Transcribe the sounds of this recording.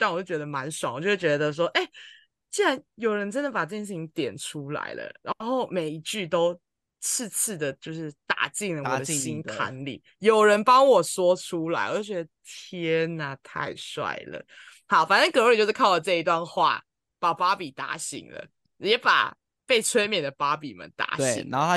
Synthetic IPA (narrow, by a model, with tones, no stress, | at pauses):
t̪a˥˩nwjo˥˩t͡ɕɥɛ˧˥d̪ə˧ma˧˦nʂa˨˩˦wt͡ɕjo˥˧ʊʂ̩˥˩t͡ɕɥɛ˧˥d̪ə˧ʂ̬wɔ˥ʔe˥˩ɪ | t͡ɕi˥nɻa˧˦njo˨˩ʊɻə˧˦nʈ͡ʂə˦nd̪ə˨˩pa˨˩ʈ͡ʂɤ˥˩t͡ɕjɛ˧˥nʂ̬ɻ̩˥˩t͡ɕʰi˧˦ŋt̪jɛ˨˩nʈ͡ʂʰu˦la̰˧˥ɪlə̰˦ɻa˧˦˧nxo˥˩ʊme˨˩ɪi˧˥t͡ɕy˥˩t̪o˥ʊ | t͡sʰɹ̩˥˧t͡sʰɹ̩˥˩d̪ə˩t͡ɕjo˥˧ʊʂɻ̩˥˩t̪a̰˨˩t͡ɕi˥˩ŋlə˩wɔ̰˨˩d̪ə˦ɕi˦˥nkʰa̰˧˥nlḭ˨˩ | jo˨˩ʊɻə˨˦npɑ˦˥ŋwɔ˨˩swɔ˥ʈ͡ʂʰu˦la˧˥ɪwɔ˨˩jo˥˩t͡ɕɥɛ˧˥d̪ə˧t̪ʰjɛ˦˥na˨˩t̪ʰa̰˥˧ɪswa̰˥˩ɪlə̰˩hɑ˨˦ʊfa˨nə˥˧ŋkɤ˧˥o˧˥i˨t͡ɕjʂɻ̩˥˧kʰa˥˩ʊə˨˩ʈ͡ʂɤ˥˧˩i˧˥t̪wa˥˧nxwa̰˥˩ | pa˨˩pa˥pi˨˩t̪a̰˧˥ɕḭ˨˩ŋlə̰˨ | jɛ˨˦pa̰˨˩ | pe˥˩ɪt͡sʰwe˥ɪmjɛ˨˩nd̪ə˩pa˦˥pi˨˩mə̰˨nt̪a̰˧˥ɕḭ˩ŋ˦o˥˧˥